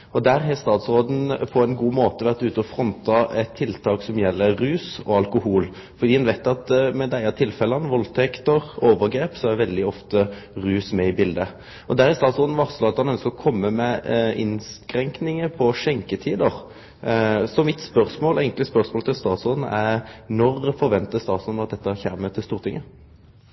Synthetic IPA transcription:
ɔd̪æɾɦɛst̪ɑːt̪sɾoːd̪n̩pʰɔɛnɡuːmoːt̪əʋæʁt̪ʉːt̪əɔfɾɔnt̪ɑɛt̪ʰːɪlt̪ʰɑːksɔmjɛlːəːʉːsɔɑlkʊhuːl | fɔɾd̪iːɛnʋæɪt̪ɑt̪mɛd̪æɪɑt̪ʰɪlfɛlɑnʋɔlt̪ʰɛkt̪əɾoːʋəɾɡɾeːpsɔæʋɛld̪ɪɔft̪əɾʉːsmɛɪbɪld̪ə | ɔd̪æɾɪst̪ɑːt̪sɔːd̪n̩ʋɑʁsɔɑt̪ɑnœnskəɾɔkʰɔmːəmɛɪ̰nskɾɛŋknɪŋəpʰɔʂɛŋkət̪ʰiːd̪əʁ | sɔmɪt̪spœɾsmoːlæɪɡŋk̪lɪspœʁsmoːlət̪ʰɪlst̪ɑːt̪sɔd̪n̩ænɔɾfɔɾʋɛnt̪əst̪ɑːt̪sɔn̩ɑt̪̚d̪ɛt̪ːəçæːmət̪ɪlst̪uːʁt̪ʰɪŋːʔə

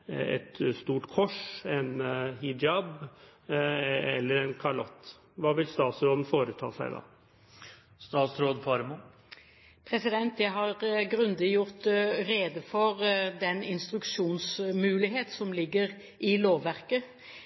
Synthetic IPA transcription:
ɛ̰t̪st̪uːʈkʰɔʂɛnhɪd͡ʒɑb | ɛlːəɾɛnkʰɑɭɔt̪ː | ʋɑːʋɪlst̪ɑːt̪sɾoːd̪n̩foːɾət̪ʰɑ̰ːsæ̰ɪd̪ɑ̰ː | st̪ɑːt̪sɾoːd̪fɑɾmu | pʰɾɛsɪd̪ɛnt̪jɛɦɑɾɡɾʉnd̪əjʊʁt̪ɾeːd̪əfɔɾd̪ɛnɪnst̪ɾʉkʃuːnsmʉːlɪɦeːt̪sɔmlɪɡːəɾ | ʔɪloːʋʋæʁkə

